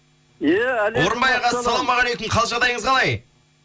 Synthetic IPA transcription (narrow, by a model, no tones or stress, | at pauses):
jawo̞ɾəmbɑjɑʁɑːɑlˠomɑʁɑlekɪmqʰɑlˠʒɑʁd̪ɑjəɴəzʁɑlˠɑj